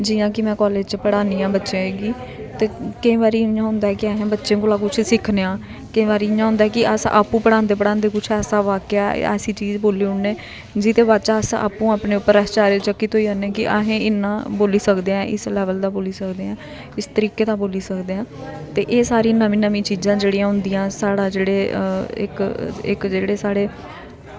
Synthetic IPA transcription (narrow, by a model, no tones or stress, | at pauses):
d͡ʒɪjãːkɪmɛ̃ːkɔːleːd͡ʒt͡ʃpəɽaːniːãːbətːʃẽːɦeːɡiː | t̪eːkəĩːʋaːɾiːjãːɦʊ̃nd̪aːɛːkɪaːɦẽːbətːʃẽːkoːlaːkʊt͡ʃʰsɪkʰneãː | kɪĩːʋaːɾiːɪjãːɦʊ̃nd̪aɛkɪəsʔa̰ːpũːpəɽãːnd̪eːpəɽãːnd̪eːkʊt͡ʃʰɛːsaːʋaːka̰ːɛ̰ːsiːt͡ʃiːd͡ʒboːliːʊɳnẽː | d͡ʒɪt̪eːbat͡ʃaːsa̰ːpũːaːpneːʊpːəɾɛːst͡ʃaːɾet͡ʃəkːiːt̪ɦoːiːonːẽːkɪʔa̰ɦẽːɪnːãːboːliːsəkd̪eːãːʔɪslɛːʋəld̪aːboːliːsəkd̪eːãː | ɪst̪əɾiːkeːd̪aːboːliːsəkd̪eːãː | t̪eːʔeːsaːɾĩːnəmĩːnəmĩːt͡ʃiːzãːd͡ʒeːɽijãːɦʊ̃nd̪ijãːsaːɽaːd͡ʒeːɽeːɪ̰kɪ̰kd͡ʒeːɽeːsaːɽeː